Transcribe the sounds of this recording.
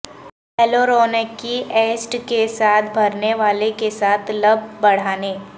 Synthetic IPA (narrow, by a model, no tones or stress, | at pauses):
ɛloːɾoːnekːiʔeːsʈkesaːt̪ʰbʱɐɾneʋaːlekesaːt̪ʰlɐb̚ʱbɐɽ̤aːneː